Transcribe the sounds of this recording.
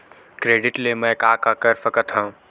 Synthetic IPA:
kɾeːɖɪʈlemɛ̃kaːkakəɾfəkət̪ɦɐũ

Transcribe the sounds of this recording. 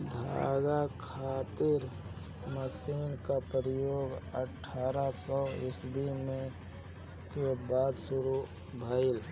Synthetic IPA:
d̪ʱa̰ːɡakʰaːt̪ɪɾ | məsiːnkapɾəjoːɡə̰ʈʰːaːɾasɔɪsbʱimẽ | kebaːd̪sʊɾu | bʱaːɪl

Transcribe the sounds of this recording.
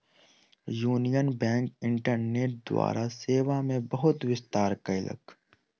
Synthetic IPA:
juːnijənbɛ̃ːŋkɪ̃ɳʈəɾneːʈ̚d̪wa̰ːɾʔaseːʋamẽbɐɦʊt̪ʋɪst̪aːɾkaɪlə̰k

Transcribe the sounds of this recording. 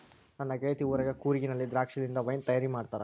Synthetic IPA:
nɐnːɐɡejt̪iuːɾɐɡɐkuːɾiɡinɐlːid̪ɾaːkʂɐd̪ind̪ɐʋɐjnt̪ɐjaːɾimaːɖt̪aːɾɐ̰

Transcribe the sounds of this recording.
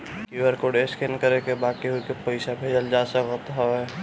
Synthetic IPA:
kiwəɾkoɖeskenkəɾekebakiɦukepəɪsabʱed͡ʒəld͡ʒasəkət̪ɦoɛ

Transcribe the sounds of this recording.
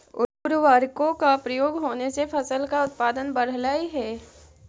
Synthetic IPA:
ʊʊɾʋaːɾkõkapɾəjoːɡɦoːnesepʰɐsəlkaʊt̪̚paːd̪ənbəɽ̤laːiɦɛː

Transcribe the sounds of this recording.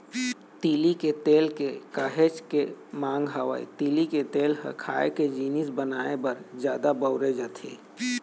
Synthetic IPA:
t̪iːliket̪eːlkekaːɦet͡ʃkemãːŋɡɦəʋa̰ḭt̪iːliket̪eːlɦɐ̰kʰa̰ːeked͡ʒiːnɪsbənaːebɐɾd͡ʒjaːd̪abəʊɾed͡ʒət̪ʰḛː

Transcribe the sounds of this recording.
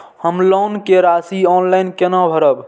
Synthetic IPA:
həmlɔnkeɾasiɔnlajnkenabʱəɾəb

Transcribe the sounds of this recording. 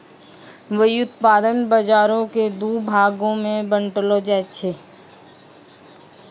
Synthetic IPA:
ʋəiʊt̪paːd̪ənbad͡ʒaːɾõked̪ubʱaːɡõmẽbə̃ɳʈlod͡ʒɛːt͡ʃʰeː

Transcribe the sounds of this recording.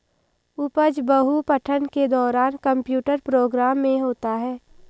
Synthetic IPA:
ʊpəd͡ʒbəɦupəʈʰənked̪ɔːɾaːnkə̃mpjuːʈəɾpɾoːɡɾaːmːẽɦoːt̪aɦɛː

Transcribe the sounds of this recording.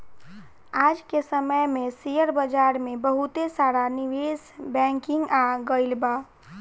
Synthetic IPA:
aːd͡ʒkesəməjmẽsijəɾbəd͡ʒaːɾmẽbəɦut̪esaːɾanɪʋeːsbɛ̃ːŋkɪ̃ŋɡaɡəɪlbaː

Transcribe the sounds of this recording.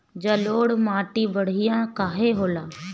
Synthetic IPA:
d͡ʒɐloːɽmaːʈibəɽ̤ɪjãkaːɦeɦoːlaː

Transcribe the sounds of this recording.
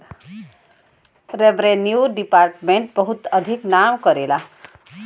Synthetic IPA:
ɾebɾenjuɖipaɾʈmeɳʈ̚bəɦut̪əd̪ʱiknamkʌɾela

